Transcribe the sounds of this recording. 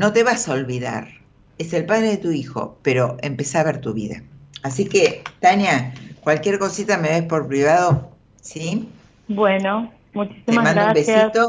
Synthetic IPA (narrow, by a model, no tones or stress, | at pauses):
no̞t̪e̞βasaolβiða̰ɾ | ese̞lpað̞ɾeðet̪uixo̞̰peɾo̞empesaβeɾt̪uβḭða̰asiket̪anjakwalkʲjeɾko̞sit̪ameβe̞spo̞ɾpɾiβaðo̞ | si | bweno | mut͡ʃi̥siemamãnɾumbesit̪o